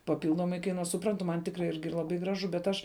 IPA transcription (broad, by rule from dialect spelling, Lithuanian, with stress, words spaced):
pɐˈpʲɪlˠdoːmɐɪ kɐɪˈnuɔs sʊˈprɐntʊ mɐn ˈtʲɪkrɐɪ ˈɪrʲɡʲɪ ˈlˠɑːˌbɐɪ ˈɡrɑːˌʒʊ bʲɛt ˈɐʃ